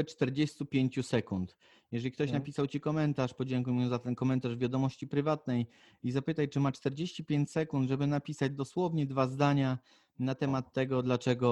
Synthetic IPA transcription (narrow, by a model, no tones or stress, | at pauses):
ɛt͡ʂt̪ɛɾd͡ʑest̪upʲjeɲt͡ɕusɛkunt̪ | jɛʐɛlʲikt̪ɔɕnapʲisawt͡ɕikɔmɛnt̪aʂpɔd͡ʑɛŋkujmuɛzat̪ɛnkɔmɛnt̪aʐvʲjad̪ɔmɔɕt͡ɕipɾɘvat̪nɛj | izapɘt̪ajt͡ʂɘmat͡ʂt̪ɛɾd͡ʑeɕt͡ɕipʲjeɲt͡ɕsɛkund̪ʐɛbɘnapʲisad͡ʑd̪ɔswɔvɲɛd̪vazd̪aɲa | nat̪ɛmat̪ːɛɡɔd̪lat͡ʂɛɡɔ